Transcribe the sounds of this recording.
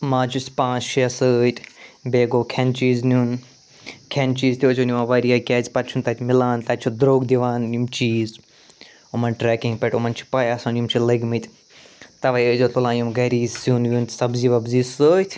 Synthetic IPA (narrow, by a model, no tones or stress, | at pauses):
mãːt͡ʃʰusʲpãːsʃiɐsəːjt̪ʲʰbeːɡoːkʰɛnt͡ʃiːznʲuːn | kʰɛnt͡ʃiːzt̪ʲioːt͡ʃʰonʲumaʋɐɾijaːkʲɛːzʲpɐt̪t͡ʃʰunt̪ɐt̪ʲmilaːnt̪ɐt͡ʃʰud̪ɾoːɡd̪iʋaːnːumt͡ʃiːz | umɐnʈɾɛːkĩŋɡpɛʈumɐnt͡ʃʰi̥pɐjaːsanjumt͡ʃʰilɐɡmɨt̪ʰʲ | t̪ɐʋɐjəːd͡ʒot̪ulãːjumɡɐɾiːzsuːnʋʲunt̪sɐbziːʋɐbziːsəːjt̪ʲʰ